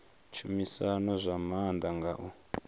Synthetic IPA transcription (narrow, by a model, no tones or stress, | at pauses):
t͡ʃʰumisanazʷamand̪aŋɡaʔu